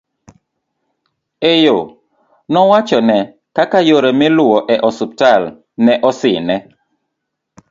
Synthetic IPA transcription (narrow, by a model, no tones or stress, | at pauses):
ejo | nɔwat͡ʃɔnɛ | kakajoɾemɪlʊwɔʔɛʔɔsuptal | nɛʔɔsɪnɛ